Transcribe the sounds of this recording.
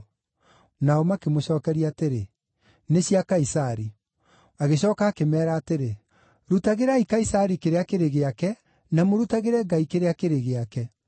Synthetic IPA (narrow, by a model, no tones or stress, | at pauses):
naɔmakemoɕɔːkɛɾiaːteɾe | neɕiakaisaɾi | aɣeɕɔːkaːkemɛːɾaːteɾe | ɾutaɣeɾaikaisaɾikeɾeakeɾeɣeakɛ | namoɾutaɣeɾɛɡaikeɾeakeɾeɣeakɛ